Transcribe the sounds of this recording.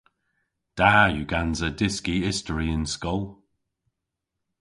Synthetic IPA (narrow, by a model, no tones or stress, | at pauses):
d̥aːjuɡanzədɪskiɪstəɹiɪ̃nskɔlˠ